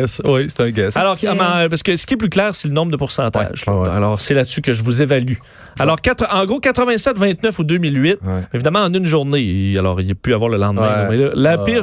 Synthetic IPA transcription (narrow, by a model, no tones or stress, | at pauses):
swise̥t̪ɛ̃ɡɛsalɔʁmãpasə̥kəsə̥kʲiɛplyklɛːʁselənɔ̃bʁd̪əpuʁsɑ̃ːt̪a̰ʒalɔːʁsɛlat̪sykəʒəvuzevaly | alɔːʁkat̪χəʔɑ̃ɡʁokʲat̪χəvɛ̃sɛt̪vɛ̃t̪nœfud̪ømilɥɪt̪̚ɪvid̪amãɑ̃nynʒuʁnealɔ̰ːʁilepyavwaːʁləlɑ̃d̪mɛ̃mɛləlapɪʁ